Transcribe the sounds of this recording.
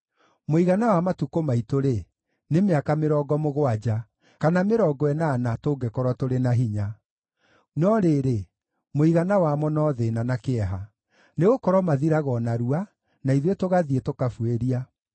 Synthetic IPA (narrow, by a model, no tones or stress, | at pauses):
moiɣanawamatukomaitoɾe | nemeakameɾɔːɡɔmoɣoad͡ʑa | kanameɾɔɡɔɛnaːnatoːɡɛkɔɾwatoɾenaɦiɲa | nɔɾeːɾe | moiɣanawamɔnɔðenanakeɛɦa | neɣokɔɾwɔmaðiɾaɣɔnaɾua | naiðwetoɣaðietokafueɾia